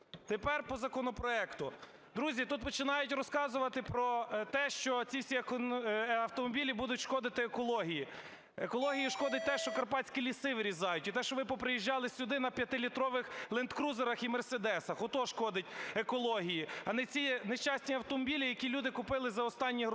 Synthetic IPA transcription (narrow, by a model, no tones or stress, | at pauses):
t̪epɛrpɔzɐkɔnɔpɾɔɛkt̪ʊ | d̪ɾuzʲit̪ut̪̚pɔt͡ʃɪnɑjʊtʲrɔskɑzʊʋɐt̪ɪpɾɔt̪ɛʃt͡ʃɔt͡sʲiwsʲiɐkɐwt̪ɔmɔbʲilʲibud̪ʊtʲʃkɔd̪ɪt̪ɪekɔlˠɔɦʲiji | ekɔlˠɔɦʲijiʃkɔd̪ɪt̚ʲt̪ɛʃt͡ʃɔkɐrpɑtt͡sʲkʲilʲisɪʋɾʲizɑjʊtʲit̪ɛʃt͡ʃɔʋnɪpɔpɾɪjiʒːɑlˠɪsʲʊd̪ɪnɐpʲjɐt̪ɪlʲit̪ɾɔʋɪxlˠent̪kɾuzeɾɐximersed̪ɛsɐxɔt̪ɔʃkɔd̪ɪtʲekɔlˠɔɦʲijiɐnɛt͡sʲineʃt͡ʃɑsʲnʲiɐwt̪ɔmɔbʲilʲijɐkʲilʲud̪ɪkʊpɪlˠɪzɐɔst̪ɑnʲːiɦ